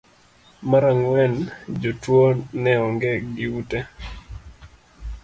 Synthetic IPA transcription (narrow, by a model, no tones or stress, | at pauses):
maɾaŋwɛnd͡ʒotwonɛɔŋɡɛɡɪute